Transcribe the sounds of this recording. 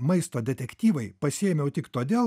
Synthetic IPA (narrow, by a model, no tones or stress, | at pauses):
mɐɪst̪oːd̪ʲɛt̪ʲɛkʲt̪ʲiːʋɐɪpɐsʲɪeːmʲjɛʊt̪ʲɪkt̪oːd̪ʲeːl